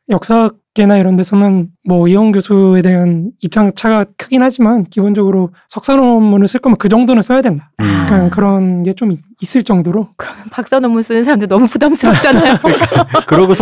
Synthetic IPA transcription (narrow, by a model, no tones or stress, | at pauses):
jʌk̚s͈a | k͈e̞naiɾʌnde̞sʰʌnɯnmwʌiʌnɡjosʰue̞de̞ɦanip̚kʰaŋt͡ɕʰaɡakʰɯɡinhad͡ʑimankibond͡ʑʌɡɯɾo | sʰʌk̚s͈anomːunɯs͈ʰɯɭk͈ʌmjʌnkɯd͡ʑʌŋdonɯns͈ʰʌjadwe̞ndak͈ankɯɾʌnɡe̞t͡ɕomi | is͈ɯɭt͡ɕ͈ʌŋdoɾokɯɾʌmnpak̚s͈anʌmuns͈unɯnsʰaɾamdinʌmupudams͈ɯt͡ɕanajokɯɾʌɡosʰ